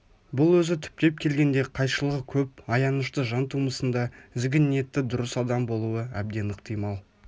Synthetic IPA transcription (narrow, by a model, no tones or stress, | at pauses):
bʊlˠwɵzɪt̪ʰʏ̥p̚t̪e̞p̚kʲʰe̞lɡʲe̞nd̪e̞qʰɑjʃəlˠəʁəkʲʰɵp̚ɑjɑnəʃt̪əʒɑnt̪ʰuməsənd̪ɑɪzɡʲɪnːe̞t̪ːɪd̪ʊɾəsɑd̪ɑmbo̞lˠuəæb̚d̪e̞nɪqt̪ʰijmɑlˠ